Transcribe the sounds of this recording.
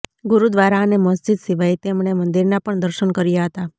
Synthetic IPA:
ɡuɾud̪ʋaɾaːneməsd͡ʒid̪siʋajt̪emɳ̃emənd̪iɾnapəɳd̪əɾʃənkəɾjaɦət̪a

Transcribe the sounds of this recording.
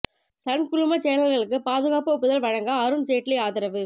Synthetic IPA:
sɐnkʊlʊmɐt͡ʃɛːnɐlɣɐɭɯkːɯpaːðɯɣaːpɯpːɯðɐlʋɐɻɐŋɡɐːɾɯnt͡ʃeːʈːɪleaːðɪɾɐʋɯ

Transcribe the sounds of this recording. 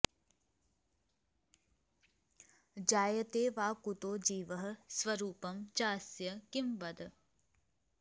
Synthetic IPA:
d͡ʒaːjɐt̪eːʋaːkut̪oːd͡ʒiːʋɐɦɐ̆sʋɐɾuːpɐmt͡ʃaːsjɐkimʋɐd̪

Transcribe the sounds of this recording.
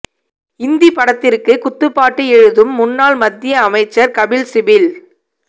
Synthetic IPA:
ɪnd̪ipɐɽɐt̪ːɪrkɯkʊt̪ːɯpːaːʈːɯɛɻɯðɯmːʊnːaːlmɐd̪ːɪjɐːmɐɪt͡ʃːɐɾkɐbɪlsɪbɪl

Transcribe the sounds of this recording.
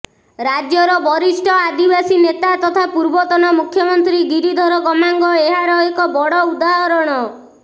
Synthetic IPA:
ɾad͡ʒjɔɾɔbɔɾisʈʰɔad̪ibasinet̪at̪ɔt̪ʰapuɾbɔt̪ɔnɔmukʰjɔmɔnt̪ɾiɡiɾid̪ʱɔɾɔɡɔmaŋɡɔeɦaɾɔekɔbɔɽɔud̪aɦɔɾɔɽ̃ɔ

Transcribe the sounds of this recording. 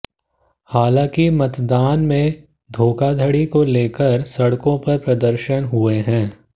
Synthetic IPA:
haːlãːkimɐt̪d̪aːnmẽ | d̪ʱoːkad̪ʱəɽikoleːkəɾsɐɽkõpɐɾpɾɐd̪əɾʃənɦʊeɦɛ̃ː

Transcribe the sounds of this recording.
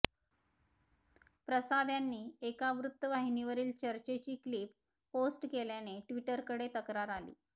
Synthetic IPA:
pɾəsad̪ʱjanːiːekaʋɾut̪ːəʋaɦiniʋəɾiːlt͡ɕəɾt͡ɕet͡ɕiːkliːp̚ | posʈkeljaneʈʋiʈəɾkəɽet̪əkɾaɾalḭː

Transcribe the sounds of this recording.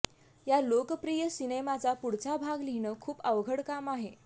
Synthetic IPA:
jalokəpɾijəsinemat͡sapuɽt͡sabʱaɡlinəkʰuːpəʋɡʱəɽkamaɦe

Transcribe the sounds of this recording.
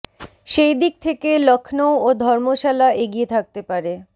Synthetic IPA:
ʃejd̪ik̚t̪ʰekelɔkʰnood̪ʱɔɾmoʃalaʔeɡiet̪ʰak̚t̪epaɾe

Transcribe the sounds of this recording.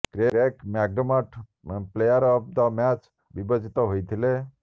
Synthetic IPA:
kɾeɾekmaɡ̚ɖɔmaʈʰ | plejəɾɔp̚d̪ɔmat͡ʃ | bibɔd͡ʒit̪ɔɦojt̪ʰile

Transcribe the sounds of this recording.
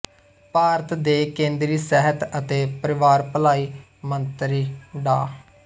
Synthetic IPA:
paːɾət̪d̪eːkẽːnd̪ɾiːsɛɦət̪ət̪eːpəɾɪʋaːɾpəlaːiː | mənt̪ɾiːɖa̰ː

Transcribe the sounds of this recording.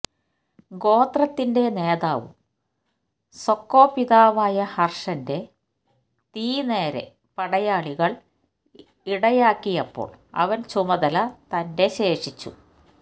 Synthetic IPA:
ɡo̞ːt̪rɐt̪ːinde̞ne̞ːðaːʋṵm | so̞kːo̞ːpːiðaːʋaːjɐhɐrʂɐnde̞ | t̪iːne̞ːɾe̞̰ | pɐɽɐjaːɭiɣɐɭ | iɽɐjaːkːijɐpːo̰ːɭɐ̰ʋɐnt͡ɕumɐðɐlɐt̪ɐnde̞ɕe̞ːʂit͡ɕːṵ

